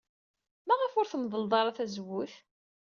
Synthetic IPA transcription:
mæʁəfʊɾθəmðˤəlðˤɑɾˤɑθæzəwːʊθ

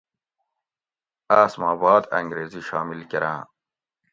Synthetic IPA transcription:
aːsmaːbɑːd̪ɐ̰ŋɡɾeːziɕɑːmilkeɾã̰ː

